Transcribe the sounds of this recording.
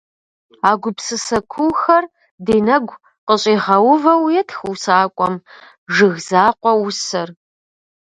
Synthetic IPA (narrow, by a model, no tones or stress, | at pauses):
aːɡʷʊpsɨsɐkʷʰʊwxɐr | deːnɐɡʷ | qəɕʼeːʁɐwʊvɐwjɛtʰxwsaːkʷʼɔm | ʒɨɣzaːqʷɔwʊsɐr